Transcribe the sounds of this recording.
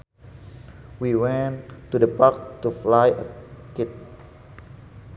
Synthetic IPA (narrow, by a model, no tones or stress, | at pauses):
wiwɛ̃ntudəpak̚tuflajəkɪt̪̚